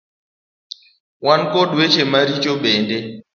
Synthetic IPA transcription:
wankɔɗet͡ʃʰemaɾit͡ʃʼɔɓɛːndɛ

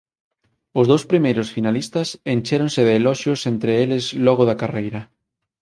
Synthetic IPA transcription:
ʊzðowspɾimejɾosfinalist̪ɐsenʲt͡ʃeɾõnsɪðeːlɔʃjosent̪ɾeelɪzlɔɣoðɐkarejɾɐ

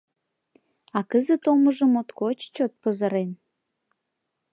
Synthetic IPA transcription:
ɑkəzət̪oməʒəmot̪kot͡ɕt͡ɕot̪̚pəzəɾen

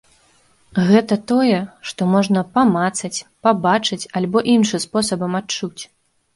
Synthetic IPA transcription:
ɣɛt̪ɐt̪ɔjɛʂt̪ɔmɔʐnɐpamat̪sɐt͡sʲpabat͡ʂɨt͡sʲalʲbɔʔinʂɨspɔsɐbɐmatt͡ʂut͡sʲ

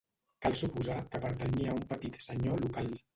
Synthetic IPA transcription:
kalˠsupuzakəpəɾt̪əɲiaumpət̪it̪səɲolukal

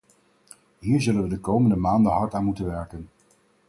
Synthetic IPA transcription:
ɦiːɹzɵlənʋədəkowməndəmaːndəɦɑɹtaːnmutənʋɛɹkən

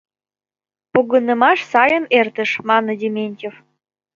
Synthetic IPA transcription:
puɣənə̆mɑʃsɑjənert̪ə̆ʃmɑnə̆d̪ʲemʲenʲtʲef

